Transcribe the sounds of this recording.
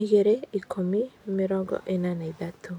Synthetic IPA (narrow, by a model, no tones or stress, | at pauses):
iɣeɾeikʰomimɪɾɔɡɔ̰ʔenanaiðatʰu